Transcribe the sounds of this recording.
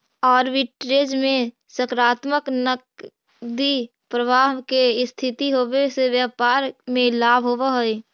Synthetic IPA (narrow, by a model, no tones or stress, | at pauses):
ɔːɾʋɪʈɾeːd͡ʒmẽ | səkɾaːt̪məknək | d̪i | pɾəbaːɦkest̪ʰɪt̪iɦoːʋeseʋjəːpaːɾmẽlaːbʱɦoʋaɦoi